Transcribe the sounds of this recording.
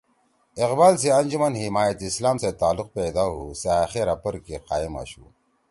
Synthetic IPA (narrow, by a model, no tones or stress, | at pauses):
iqbaːls̬eɐnd͡ʒumɐnhimaːjɐt̪islaːmset̪aːluq̚ped̪aːɦuseaːxeɾɐpɐɾkeqaːima̰ɕṵ